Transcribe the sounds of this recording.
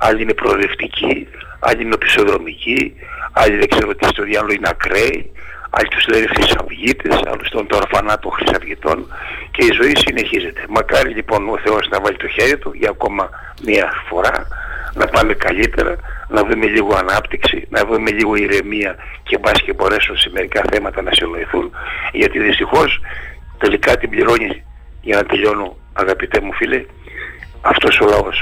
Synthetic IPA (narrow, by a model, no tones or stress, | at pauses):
ɐʎiine̞pɾoleft̪icʰiɐ̰ʎiine̞pi̥so̞ðɾo̞mici | ɐʎiðe̞ɡ̥ze̞ɾuoot̪ist̪oðiɐloineɐkɾeiɐ̰ʎit̪uzlenexɾisɐ̰vʝit̪esɐ̰lost̪ont̪oɾfɐnɐt̪oxɾisɐvʝit̪o̞̰nce̞izo̞isine̞çize̞t̪e̞mɐkɐɾiʎipo̞no̞θe̞o̞znɐvɐʎit̪o̞çe̞ɾit̪oʝɐːko̞mɐ | miɐfo̞ɾɐnɐpɐmekɐʎit̪e̞̰ɾɐ̰nɐvɾume̞ʎiɣoɐnɐpt̪iksḭnɐvɾume̞ʎiɣo̞iɾe̞miɐ | ce̞bɐscebo̞ɾesonsemeɾikɐθe̞mɐt̪ɐnɐsino̞iθunʝɐt̪iðist̪ixo̞st̪e̞likɐt̪ibʎiɾo̞ɲi | ʝɐnɐt̪e̞ʎo̞no | ɐɣɐpit̪e̞mufile | ɐft̪o̞so̞lɐo̞s